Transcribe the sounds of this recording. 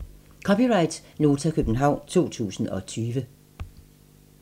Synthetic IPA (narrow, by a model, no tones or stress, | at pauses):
kʰɒ̽piʁɑ̈ɪd̥no̝ːt͡sʰækʰøb̥n̩ɦɑ̈ʊ̰nt͡sʰo̝̰ːt͡sʰṵːsn̩ɒ̽t͡sʰyːʋə